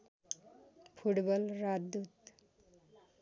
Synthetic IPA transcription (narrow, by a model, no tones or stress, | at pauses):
pʰuʈbʌlɾad̪ut̪